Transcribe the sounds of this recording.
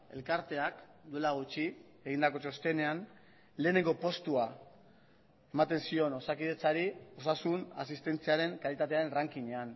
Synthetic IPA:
e̞̰lkaɾt̪e̞akd̪ue̞laɣ̞ut͡ʃi | e̞ɣind̪ako̞t͡ʃo̞st̪e̞ne̞an | le̞ːne̞ŋɡo̞po̞st̪ua | e̞mat̪e̞nsio̞no̞sakiðe̞t͡saɾio̞sasunas̬ist̪e̞nt͡siaɾe̞ŋkalit̪at̪̬e̞aɾe̞nraŋkiɲe̞an

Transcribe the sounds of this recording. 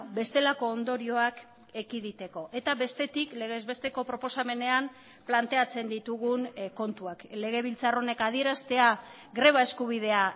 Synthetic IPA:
be̞st̪e̞lako̞ːnd̪o̞ɾio̞ak | e̞kiðit̪e̞ko̞ʔe̞t̪aβe̞st̪e̞t̪ikle̞ɣezβe̞st̪e̞ko̞pɾo̞po̞same̞ne̞am | plant̪e̞at͡se̞nd̪it̪uɣunko̞nt̪uakle̞ɣe̞β̞ilt͡saro̞ne̞kaðie̞ɾast̪e̞a | ɡɾe̞β̞ae̞skuβ̞ið̞e̞a

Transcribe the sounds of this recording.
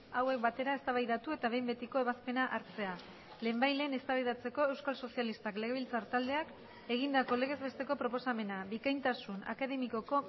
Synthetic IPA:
awe̞k̚bat̪e̞ɾae̞st̪aβajðat̪ue̞t̪aβe̞jmbe̞t̪iko̞e̞βaspe̞naʔaɾt͡se̞a | le̞ːmbajle̞ːne̞st̪aβajðat͡se̞ko̞e̞wskalso̞sialist̪akle̞ɣe̞β̞ilt͡saɾt̪ald̪e̞ak | e̞ɣ̞ind̪ako̞le̞ɣe̞zβe̞st̪e̞ko̞pɾo̞po̞same̞nabikajnt̪asuna̰kaðe̞miko̞ko̞

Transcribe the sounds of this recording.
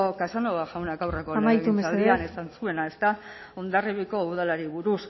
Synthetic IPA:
kasanoβaʝawnaɡawreko̞majusaliane̞sansue̞nae̞st̪a | ond̪ariβiko̞uð̞alaɾiβuɾus

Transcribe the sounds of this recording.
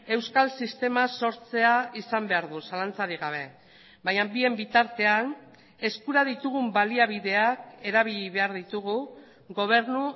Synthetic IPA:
e̞wskalsist̪e̞maso̞ɾt͡se̞aisambe̞aɾðusalant͡saɾiɣ̞aβ̞e̞ | bajambie̞mbit̪aɾt̪e̞an | e̞skuɾað̞it̪uɣ̞umbaliaβ̞iðe̞ake̞ɾaβ̞iʎiβe̞aɾðit̪uɣu | ɣo̞β̞e̞ɾnu

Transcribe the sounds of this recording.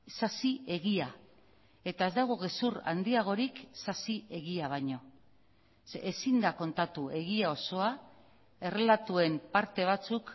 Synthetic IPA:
sasie̞ɣia | e̞t̪ae̞zd̪aɣ̞o̞ɣe̞suɾa̰nd̪iaɣ̞o̞ɾiksasie̞ɣiaβ̞ajɲo̞ | sesind̪ako̞nt̪at̪ue̞ɣiao̞so̞a | e̞re̞lat̪ue̞mpaɾt̪e̞β̞at͡suk

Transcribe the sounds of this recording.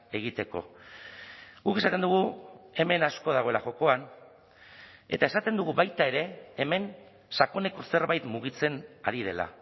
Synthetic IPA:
e̞ɣ̞it̪e̞ko̞̰ | ɣuke̞sat̪e̞nd̪uɣue̞me̞nasko̞ð̞aɣo̞e̞laʝo̞ko̞an | e̞̰t̪ae̞sat̪end̪uɣ̞uβajt̪ae̞ɾe̞ːme̞n | sako̞ne̞ko̞se̞ɾβajt̪muɣ̞it͡se̞na̰ɾið̞e̞la̰

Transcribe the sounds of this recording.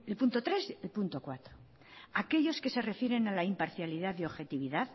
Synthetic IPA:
elpunt̪ot̪ɾeselpunt̪o̞kwat̪ɾo | ake̞ʎo̞ske̞se̞re̞fjeɾe̞nalaimpaɾθjaliðaðeo̞βxe̞t̪iβiðað

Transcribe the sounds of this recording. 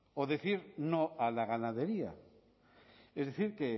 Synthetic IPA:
oðeθiɾnoalaɣ̞anaðe̞ɾia̰ | ezðeθiɾke

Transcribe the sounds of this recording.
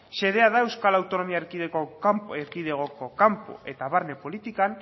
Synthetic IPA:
se̞ðe̞aðae̞wskalawt̪o̞no̞miaeɾkiðekoampeɾkiðeɣ̞o̞ko̞kampo̞̰ʔe̞t̪aβaɾne̞po̞lit̪ikan

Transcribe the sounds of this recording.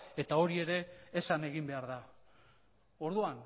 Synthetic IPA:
e̞t̪ao̞ɾie̞ɾe̞ːsane̞ɣimbe̞aɾða | o̞ɾðuan

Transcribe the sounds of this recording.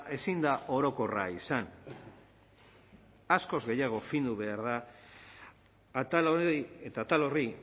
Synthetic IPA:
ʔe̞sind̪aʔo̞ɾo̞ko̞ra̰isan | asko̞zɣe̞jaɣ̞o̞find̪uβ̞e̞aɾða | t̪aloiet̪at̪alo̞ri

